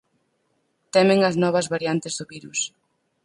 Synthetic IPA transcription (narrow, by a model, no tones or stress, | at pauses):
t̪ɛmeŋɐznɔβ̞ɐzβaɾjant̪ɪzðʊβiɾus